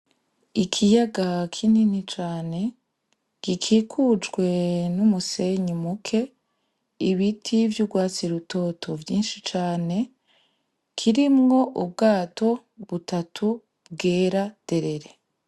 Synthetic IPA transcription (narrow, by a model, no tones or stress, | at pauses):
ikʰijaɡakʰininit͡ʃaːne̞ | ɡ̥ikʰiːkʰud͡ʒɡwe̞numuse̞ɲimukʰe̞ | iβitʰivjuɡwaːt͡siɾuto̞tʰo̞vjiːnʃit͡ʃaːne̞ | kʰiɾimŋo̞ʔub̚ɡaːtʰo̞ | βutatʰu | b̚ɡeːɾad̥e̞ɾe̞ɾe